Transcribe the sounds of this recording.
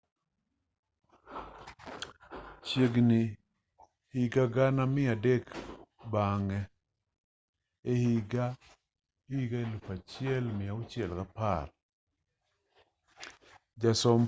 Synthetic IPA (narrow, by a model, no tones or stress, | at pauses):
t͡ʃjeɡnɪ | hiɡaɡanamɪadekbaŋɛ | ehiɡa | iɡaelupat͡ʃɪɛlmɪaʊt͡ʃjɛlkapaɾ | d͡ʒasɔm